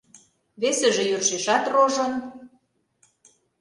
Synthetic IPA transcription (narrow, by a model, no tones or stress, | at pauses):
βesĕʒĕjørʃeʃɑt̪roʒɤ̆n